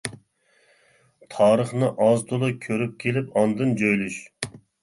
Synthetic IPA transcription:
t̪ʰɑːɾəχnɨʔɑzt̪ʰolˠɨkʲʰøɾyp̚kʲʰelɪpɑnd̪ɨnd͡ʒojlyʃ

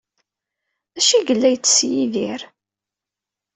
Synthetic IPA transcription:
æʃiɡəlːæjt͡sːsjiðiɾ

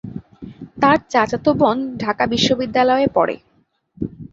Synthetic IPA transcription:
t̪aɾt͡ɕat͡ɕat̪obɔnɖʱakabiʃːobid̪ːalɔepɔ̰ɽḛ

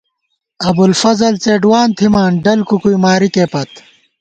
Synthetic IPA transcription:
ɐbulfɐzɐlt͡seːɖwaːnt̪ʰimaːnɖɐlkukujmaːɾikeːpɐt̪

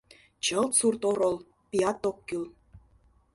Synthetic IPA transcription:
t͡ɕə̆lˠt͡surt̪oɾɤ̆lˠ | pʲiɑt̪ːokːyl

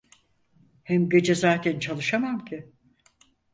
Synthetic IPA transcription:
hɛmɟe̞d͡ʒezaːt̪ʰɛnt͡ʃʰalˠɯʃamamcʰɪ

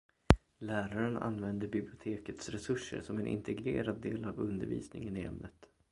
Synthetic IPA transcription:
læːɾaɾəna̰nːvɛnd̪əbɪblɪʊt̪ʰeːkət̪sɾɛsɵʂːə̰ɾʂɔmɛnʔɪ̰nt̪ʰɛɡɾeːɾad̪ːeːlavɵnd̪əɾvḭːsnɪŋənɪɛ̰mnət̪

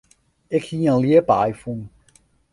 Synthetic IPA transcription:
ɪkhiənliəpajfun

